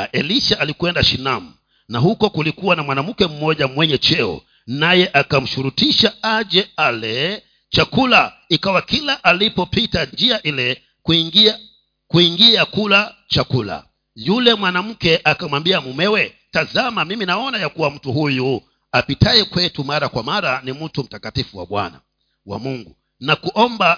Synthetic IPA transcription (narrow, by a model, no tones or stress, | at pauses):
ʔɛliʃaʔalikwɛndaʃinamu | nahukɔkulikuwanamwanam̩kɛm̩mɔʄamwɛɲɛt͡ʃɛɔ̰ | najɛʔakam̩ʃuɾutiʃaaʄɛalɛ | t͡ʃakula | ikawakilaʔalipɔpitand͡ʒiaʔilɛ | ki | kuiŋɡiakulat͡ʃakula̰ | julɛmwanam̩kɛʔakamwambiamumɛwɛ | tazamamiminaɔnajakuwam̩tuhuju | apitaɛkwɛtumaɾakwamaɾanim̩tum̩takatifuwa̰ɓwa̰na̰ | wa̰muŋɡṵ | nakuʔɔmba